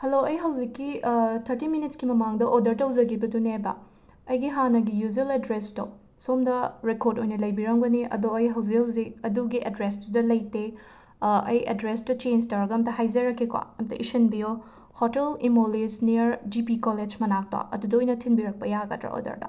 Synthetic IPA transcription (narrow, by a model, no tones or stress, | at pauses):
hɐloɐjɦɐwzikːitʰɐɾtiminitskimɐmaŋdɐʔodɐɾtɐɦɐwzɐɡibɐdunebɐ̰ | ɐjɡiɦanɐɡijuzeledɾesto̰ | somdɐɾekoɾdojnɐlɐjbiɾɐŋbɐniʔɐ̰doɐjɦɐwzikhɐwzik̚ɐduɡiʔɐdɾestudɐlɐjte | ɐjɐ̰dɾestut͡ʃenstaɾɡɐmtɐɦajzɐɾɐkʰːikwa̰ɐmtɐ̰ʔḭsɐnbio | hotelimolesnijɐɾd͡ʒipikoled͡ʒmɐnak̚ta̰ʔɐ̰dudɐojnɐtʰinbiɾɐk̚pɐjaɡɐ̰tɾɐ̰o̰dɐ̰ɾdɐ̰